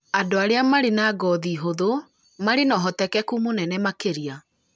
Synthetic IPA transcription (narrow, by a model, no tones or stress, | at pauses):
adoaɾeamaɾenaɡɔðiːɦoðo | maɾenɔɦɔtɛkɛkumonɛnɛmakeɾia